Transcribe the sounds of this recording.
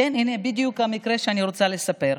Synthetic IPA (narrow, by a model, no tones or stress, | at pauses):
eninebid̪jukamikɾeʃeaniɾot͡salesape̞ɾ